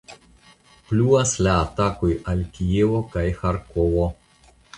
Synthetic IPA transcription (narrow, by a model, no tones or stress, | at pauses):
pluaslaːt̪akojalkʲievokajxaɾkovo